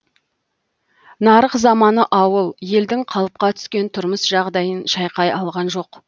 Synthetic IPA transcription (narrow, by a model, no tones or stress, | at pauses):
nɑɾəqzɑmɑnəʔɑwəlˠje̞ld̪ɪŋqʰɑlˠəp̚qɑt̪ʰʏ̥skʲe̞nt̪ʰʊɾməsʒɑʁd̪ɑjənʃɑjqɑjɑlˠʁɑnʒo̞q